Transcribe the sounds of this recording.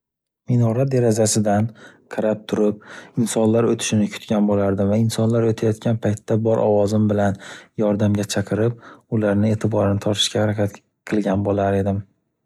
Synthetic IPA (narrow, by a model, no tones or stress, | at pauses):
minɒɾad̪e̞ɾazasɪd̪anqʰɨɾap̚t̪ʰʊɾɪp̚ɪnsɒnlaɾot̪ʰɪ̥ʃɪnɪkʲʰʊ̥t̪kʲanbolaɾd̪ɪmvaɪnsɒnlaɾot̪ʰajɒt̪kʲanpʰajt̪ʰːabɒɾʔɒ̰wɒzɪmbɪlanjɒɾd̪amɡʲat͡ʃʰaqʰɨɾɪp̚ʊlaɾnɪe̞t̪ʰɪbɒɾɪnɪt̪ʰɒɾt̪ʰɪ̥ʃkʲahaɾakʲʰat̪ | qʰɨlˠɡʲanbolaɾe̞d̪ɪm